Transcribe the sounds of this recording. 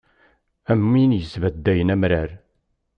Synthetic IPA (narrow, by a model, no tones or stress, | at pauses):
æmːinjəzvæd̪ːæjənæmɾæɾ